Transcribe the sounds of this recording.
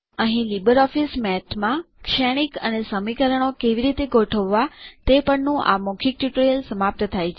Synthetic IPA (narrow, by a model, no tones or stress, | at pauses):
əɦĩlibəɾɔfismɛt̪ʰmã | kʃɛɽ̃ikənesəmikəɾəɳ̃okeʋiɾit̪eɡoʈʰəʋːat̪epəɳnũʔa̰mokʰik̚ʈjuʈəɾijəlsəmap̚t̪ət̪ʰajt͡ʃʰe